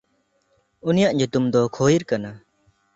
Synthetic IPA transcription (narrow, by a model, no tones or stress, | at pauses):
unijaʔɲut̪umd̪ɔkʰojiɾkana